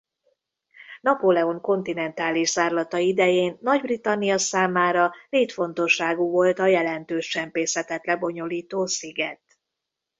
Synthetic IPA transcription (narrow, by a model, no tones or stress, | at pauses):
nɒpolɛoŋko̞nt̪inɛnt̪aːliʃz̥aːrlɒt̪ɒid̪ɛjeːnːɒɟbrit̪ɒnːijɒsaːmaːɾɒleːt̪fo̞n̪t̪o̞ʃːaːɡuːvo̞lt̪ɒjɛlɛnt̪øːʃt͡ʃɛmpeːsɛt̪ɛt̪lɛbo̞ɲo̞liːt̪oːsiɡɛt̪